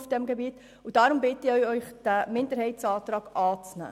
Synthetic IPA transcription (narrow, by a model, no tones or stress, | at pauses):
fd̥ɛmɡebiːt | ʊd̥ɑɾʊmbɪtəɪœʏœʏχd̥æmɪndəɾhɛɪtt͡sɑːt̪ɾɑːɡ̥ɑːt͡snæ̰ː